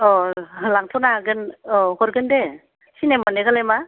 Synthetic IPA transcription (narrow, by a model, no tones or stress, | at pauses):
ɔlaŋtʰɔnaɡɯnɔhɔɾɡɯnde | sinemaneɡalema